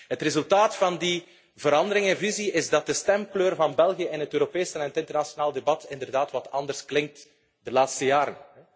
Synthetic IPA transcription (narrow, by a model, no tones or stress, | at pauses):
ɦətrezɵlˠtaːtfɑndi | vəɾɑndəɾɪŋɛnviziɪzdɑt̚dəstɛmkløːrvɑnbɛlˠɣijəɪnɦətøːɾopeːsnɛnətɪntərnasijonaːlˠdebɑtɪndərdaːtwɑtʰɑndərsklɪŋk̚t | dəlaːtstəjaːɾənɛ